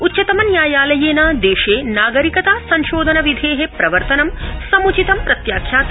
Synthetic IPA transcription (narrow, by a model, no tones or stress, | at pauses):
utːt͡ʃːʃɐt̪ɐmɐnjaːjaːlɐjeːnɐd̪eːʃeːnaːɡɐɾikɐt̪aːsɐɲʃoːd̪ʱɐnɐʋid̪ʱeːɦepɾɐʋɐɾt̪ɐnɐmsɐmut͡ʃit̪ɐmpɾɐt̪jaːkʰjaːt̪